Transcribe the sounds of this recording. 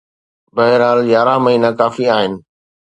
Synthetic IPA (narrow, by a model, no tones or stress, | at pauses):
bɐɦɪɾaːljaːɾaməɦiːnakaːfiaːɦɪnɪ̆